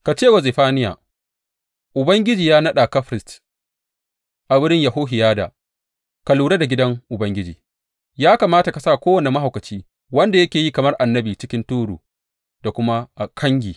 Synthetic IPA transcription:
ka˨t͡ʃeː˦˨wɐ˨ze˨ɸaː˦nɪ˦ja̰ː˨ | ʔʊ˨bɐ˦ŋɡʲɪ˦d͡ʒiː˨jaː˦nɐ˦ɗa˨ka˦ɸɾɪ˨st | ʔa˨bʊ˦ɾɪ˦ɲja˨ɦoː˦ɦɪ˨jaː˦da̰ː˨ | ka˨luː˨ɽa˦da˨ɡʲɪ˦dɐ˦ŋʔʊ˨bɐ˦ŋɡʲɪ˦d͡ʒiː˨ | jaː˦kaː˨maː˦ta˨ka˨saː˦˨kʷoː˦wɐ˨ne˨ma˦ɦa˨wkɐ˨t͡ʃiː˦ | wɐ˦nda˨jɐ˦kʲeː˨jiː˦kɐ˨mɐ˦rʔa˨nːɐ˦biː˨t͡ʃɪ˦kʲɪ˦ntuː˦ɾṵː˨ | da˨kʷʊ˦ma˦ʔa˨kʰɐ˦ŋɡʲiː˨

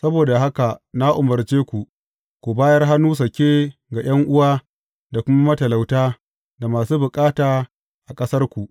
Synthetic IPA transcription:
sɐ˦boː˨da˨ɦa˦ka˨na˦ʔʊ˨mɐ˨rt͡ʃeː˦kʷu˨ʔ | kʷu˨baː˦jɐ˦rɦa˦nuː˦s̬ɐ˨kʲeː˦ɡa˨j̰ɐ˦ŋʔʊ˦waː˦ | da˨kʷʊ˦ma˦mɐ˦tɐ˨la˨wtaː˦ | da˨maː˨suː˦bʊ˨kʼaː˦taː˨ | ʔa˨kʼɐ˦sɐ˦rkʷu˨ʔ

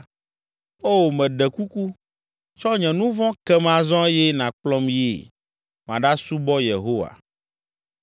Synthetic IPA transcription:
o˦wmɛ̃˨ɖɛ˨ku˦ku˦ | t͡ʃɔ˦ɲɛ̃˨nũ˦vɔ̃˦kɛ˦mã˨zɔ̃˦jɛ˦nã˨k͡plɔ˦mjḛ˦˨ | m˨ã˨ɖa˦su˦bɔ˦je˨ɦo˦wa̰˨

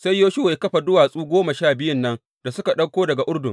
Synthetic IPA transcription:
sa˦jːoː˦ʃʊ˦wa˨ja˦kɐ˦ɸa˨dʊ˦waː˨sʼuː˦ɡʷoː˦ma˨ʃaː˦˨bɪ˦jʊ˦nːɐ˦n | d̥a˨sʊ˦ka˨ɗɐ˦kʷoː˦dɐ˨ɡa˨ʔʊ˦ɽdʊ˨ŋ

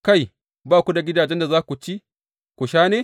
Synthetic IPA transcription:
ka˦˨j | baː˦kʷu˦da˨ɡʲɪ˦daː˨d͡ʒɛ˦nda˨zaː˦kʷu˨t͡ʃi˦ | kʷʊ˨ʃaː˦neː˦

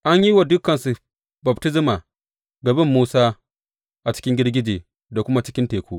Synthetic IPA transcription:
ʔa˦ɲji˦wa˨dʊ˦kːɐ˨nsu˨ | bɐ˨btɪ˦zɪ˦maː˨ | ɡɐ˨bɪ˦mːuː˦saː˦ | ʔa˨t͡ʃɪ̥˦kʲɪ˦ŋɡʲɪ˦ɽɡʲɪ˦d͡ʒeː˨ | da˨kʷʊ˦ma˦t͡ʃɪ˦kʲɪ˦nteː˨kʷoː˦ʔ

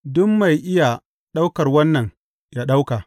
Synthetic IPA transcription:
dʊ˦mːa˨jʔɪ˦ja˨ | ɗa˦wkɐ˨rwɐ˦nːɐ˨ŋ | jaː˦ɗa˦wkaː˨

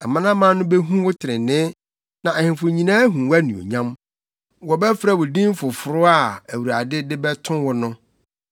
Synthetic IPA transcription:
a˨mã˦nã˦mã˦nʊ̃˦bɛ˦ɦũ˦wʊ˦tʰɪ˨ɾɪ˨nɪ̃˦ | nã˨ɛ˨hɪ̃˨fʊ˨ɲĩ˨nã˦ɦũ˨wæ˦nũ˨o̰˨ɲã˦m | wɔ˨bɛ˦fɾa˨wʊ˨dĩ˦m˦fʊ˨fʊ˨ɾʊ˦a˦˨æ˨wu˨ɾa̰˨dɪ˦dɪ˦bɛ˦tʰʊ̃˦nwʊ˦nʊ̃˦

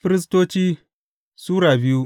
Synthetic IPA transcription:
ɸi˦ɾi˦s̬to˦t͡ʃiː˦ | su˦ɾa˨bi˦ju˦

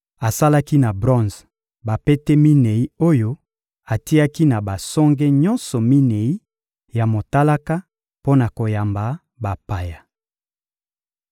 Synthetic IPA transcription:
a˨sa˦la˦ki˦na˨bʁɔ̃˦nz | ba˨pe˦tɛ˦mi˦ne˨i˦o˦jo˦ | a˨ti˦a˦ki˦na˨ba˨sɔ˦ŋɡe˦ɲɔ˦nsɔ˨mi˦ne˨i˦ | ja˨mo˨ta˦la˦ka˦ | po˦na˨ko˨ja˨mba˨ | ba˨pa˨ja˨

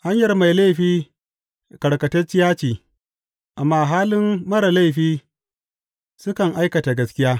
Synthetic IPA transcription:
ha˦ɲjɐ˨rma˨jla˦˨ɸiː˦ | kɐ˨ɽkɐ˨tɐ˦t͡ʃːɪ˦jaː˦t͡ʃiː˨ | ʔa˨mːaː˦ɦaː˦lɪ˦mːɐ˦ɾa˨la˦jɸiː˦ | sʊ˦kɐ˨ŋʔa˦jkɐ˨ta˨ɡɐ˦skʲɪ˦jaː˦

